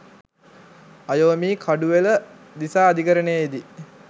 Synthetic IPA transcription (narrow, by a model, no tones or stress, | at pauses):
ajoːmiːkʰaɖuʋelə | d̪isaːd̪ikəɾənejid̪i